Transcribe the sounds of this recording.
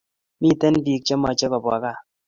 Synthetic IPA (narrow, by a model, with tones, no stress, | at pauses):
mi˦˨tɛ˦n˦bi˨k̚t͡ʃe˦mɔ˨t͡ʃe˦kɔ˨bwa˨ka˦˨